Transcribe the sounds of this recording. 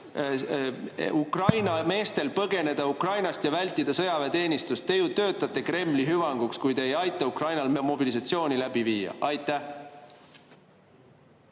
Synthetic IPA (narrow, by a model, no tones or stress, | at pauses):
ukrɑjnɑme̞ːst̪e̞lpɤɡe̞ne̞d̪̥ɑukrɑjnɑst̪jɑvælʲt̪ːˑid̪̥ɑsɤjɑvet̪e̞ːnist̪ust̪ːe̞jut̪ːø̞ːt̪ːˑɑt̪ːˑe̞kre̞mːliɦyvɑŋɡ̥ukskujd̪e̞ːjɑjt̪ːˑɑukrɑjnɑlmo̞bilis̬ɑt̪sio̞ːnilæb̥iviːjɑ̰ʔɑjt̪ːˑæh